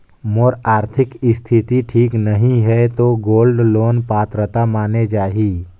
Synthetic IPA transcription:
moːɾaːɾt̪ʰɪkɪst̪ʰɪt̪iʈʰiːknəɦĩɦɛt̪oɡoːlɖloːnpaːt̪ɾət̪amaːned͡ʒaːɦiː

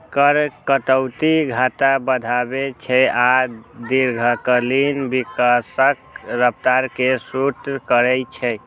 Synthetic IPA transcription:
kəɾkət̪əwt̪iɡʱat̪abəd̪ʱabet͡ʃʰɛad̪iɾɡʱəkəlinbikasəkɾəp̚t̪aɾkesuʈkəɾɛjt͡ʃʰɛ

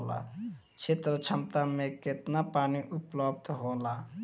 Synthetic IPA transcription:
la̰ | t͡ʃʰet̪ɾət͡ʃʰəmt̪ameket̪napaːniʔupləb̚d̪ʱɦola

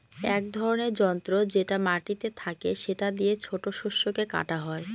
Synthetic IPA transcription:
ɛkd̪ʱɔɾoneɾd͡ʑɔnt̪ɾod͡ʑeʈamaʈit̪et̪ʰakeʃeʈad̪iet͡ɕʰoʈoʃuʃːokeka̰ʈaɦɔe

